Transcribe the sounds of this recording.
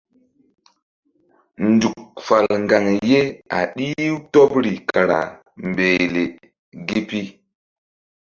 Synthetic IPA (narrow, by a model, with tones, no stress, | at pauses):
ndu˨k̚fa˨lŋɡa˨ŋje˦a̰˨ɗi˦wto˦pɾi˨kʰa˨ɾa̰˨ | mbe˨le˨ | ɡi˦pi˦